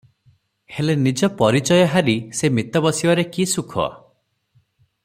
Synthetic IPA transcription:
helenid͡ʒɔpɔɾit͡ʃɔjɔɦaɾisemit̪ɔbɔsibɔɾekisukʰɔ̰

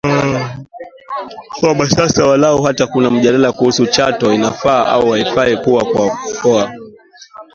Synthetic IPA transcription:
kaɓasasawalauɦatakunam̩ʄalalakuhusut͡ʃatɔinafaːʔa̰uwaifaɛpuakwakɔa

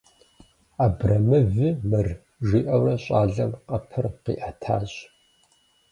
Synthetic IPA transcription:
aːbrɐmɨvɨmɨr | ʒiːʔɐwrɐɕʼaːɮɐmqɐpʰɨrqḭːʔɐtʰa̰ːɕ

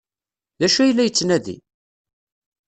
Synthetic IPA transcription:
ðæʃuæjlːæjət͡sːnæðḭ

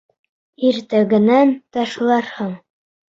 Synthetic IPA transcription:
iɾt̪æɡɘ̆nænt̪ɑʃlˠɑɾhɤɴ

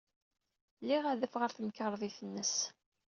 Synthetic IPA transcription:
lːiʁaðəfʁəɾθəmkəɾˤðˤiθənːəs

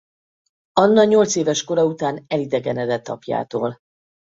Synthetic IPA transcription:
ɒnːɒɲo̞lt̪seːvɛʃko̞ɾɒut̪aːnɛlid̪ɛɡɛnɛd̪ɛt̪ːɒ̰pja̰ːt̪oːl

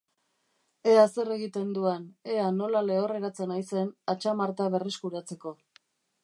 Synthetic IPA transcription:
e̞ase̞re̞ɣit̪e̞nd̪uane̞ano̞lale̞ore̞ɾat͡se̞najse̞nat͡ʃamaɾt̪aβe̞reskuɾat͡se̞ko̞

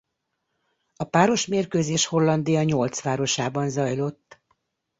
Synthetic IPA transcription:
ɒpaːɾo̞ʃmeːrkøːzeːʃho̞lːɒnd̪ijɒɲo̞lt̪sʋaːɾo̞ʃaːbɒnzɒjlo̞t̪ː

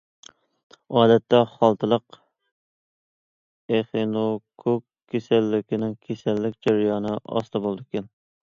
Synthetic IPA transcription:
ɑːd̪ɛt̪ʰːɛχɑlˠt̪ʰɨlˠəq | eχenokʰokʲʰːesælːɪkʲɪnɪŋkʲʰesælːɪkʲd͡ʒæɾjɑːnɨʔɑ̰st̪ʰɑbolˠɨd̪ɪkʲɛn

